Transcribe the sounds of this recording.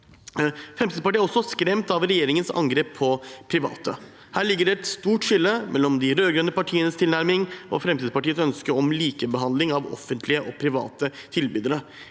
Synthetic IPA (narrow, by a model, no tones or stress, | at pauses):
fɾɛmsʰiːd̪spɑʈiːɾɔsːɔskɾɛmt̪ɑʋɾɛjeːɾɪŋənsɑ̰ŋɡɾeːpʰːɔpʰɾɪʋɑ̰ːt̪ə | hæːɭɪɡːəɖɛt̪st̪uːʈʂɪlːəmʔɛlːɔmd̪ɪɾøːɡɾœnːəpɑʈʰiːənəst̪ʰɪlnæɾmɪŋʔɔ̰fɾɛmt̪iːd̪spɑʈiːəsœnskəɾɔmliːkəbəɦɑnd̪lɪŋɑʋɔ̰fənt̪ʰlɪəʔɔpʰɾɪʋɑ̰ːt̪ət̪ʰɪlbyːd̪əɾə